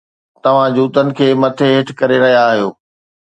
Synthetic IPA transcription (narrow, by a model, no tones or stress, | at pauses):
t̪ɐʋ̤ãd͡ʑuːt̪ənɪ̆kʰeːmɐt̪ʰeɦɪʈ̆ʰkɐɾeɾɐɦijaːɦijoː